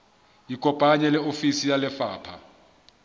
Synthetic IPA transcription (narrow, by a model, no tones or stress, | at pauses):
ikʼɔpʼaɲɛlɛofisijalɛfaːpʰa̰